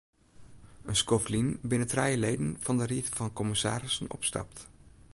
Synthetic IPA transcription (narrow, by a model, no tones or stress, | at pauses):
ənskɔflinbɪnətrɛjəlejdənv̥ɑndəriffɑnkɔmɪsa̰ːɾɪsənɔ̰pstɑ̰p̚t